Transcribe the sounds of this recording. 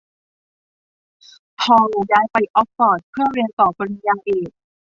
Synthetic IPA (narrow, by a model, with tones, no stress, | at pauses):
pʰɔː˧˨˩daː˧jpa˧jʔɔ˦˥p̚sɔː˨˩t̪̚pʰɯ˥˩əɾi˧ənt̪ɔː˨˩bɔ˧ɾi˧jaː˧nʔeː˨˩k̚